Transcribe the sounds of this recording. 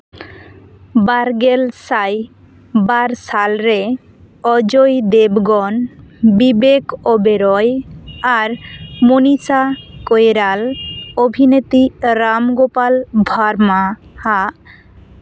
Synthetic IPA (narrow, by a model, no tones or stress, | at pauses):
baɾɡelsaj | baɾsalɾe | ɔd͡ʒojd̪ebɡɔnbibekɔbeɾɔjaɾmonisakojɾalobʱinet̪iɾamɡopalbʱaɾmaha